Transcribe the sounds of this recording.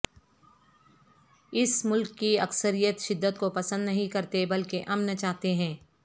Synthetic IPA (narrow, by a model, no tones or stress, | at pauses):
ɪsmʊlkːiɐksəɾijət̪ʃɪd̪ːət̪̚kopɐsə̃nd̪nɐɦĩkɐɾt̪ebɐlkeʔɐmnɐt͡ʃaːɦt̪eɦɛ̃ː